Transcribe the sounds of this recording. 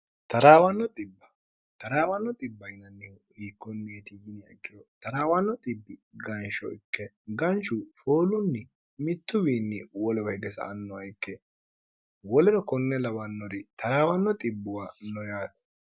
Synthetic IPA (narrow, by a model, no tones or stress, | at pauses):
t̪ɐɾaːwɐnːɔt̪ʼɪbːɐ̥ | t̪ɐɾaːwɐnːɔt̪ʼɪbːɐjɪnɐnːɪ | hikːɔnːeːt̪ijɪnɪɐ̰ɡːɪɾɔt̪ɐɾaːwɐnːɔt̪ʼɪbːɪɡɐnʃɔ̰ɪkːɛ | ɡɐnt͡ʃʊfoːlʊnːɪ | mɪt̪ːʊwiːnːɪwɔlɛwɐhɡɛsɐ̰ʔɐnːɔɐjkːɛ | wɔlɛɾɔkɔnːɛlɐwɐnːɔɾɪt̪ɐɾaːwɐnːɔt̪ʼɪbːʊwanɔjaːt̪